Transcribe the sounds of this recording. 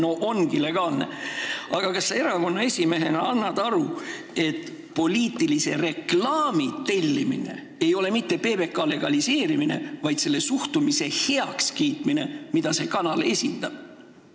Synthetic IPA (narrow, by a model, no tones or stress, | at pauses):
noʔonɡile̞ɡ̥ɑːlne̞̰ɑɡ̥ɑkɑse̞ɾɑko̞nːɑe̞sʲime̞ɦe̞nɑɑnːɑd̪̥ɑɾu | e̞t̪ːˑ | po̞lʲiːt̪ːilise̞̰re̞klɑːmit̪e̞lʲːimḭne̞̰ | e̞jo̞le̞mit̪ːe̞pe̞ːbe̞kˑɑle̞ɡ̥ɑlise̞ːɾimine̞̰vɑjd̪̥se̞lːe̞suht̪umise̞he̞ɑkskiːt̪mine̞mid̪ɑse̞kɑnɑlesʲind̪ɑb̥